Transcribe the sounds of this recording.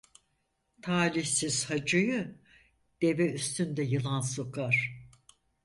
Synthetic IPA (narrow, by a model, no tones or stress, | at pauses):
t̪ʰaːɾiçsiz̥had͡ʒɯjɯ | d̪̥e̞vɛyst̪ʰynd̪ɛjɯlˠansokaɾ̥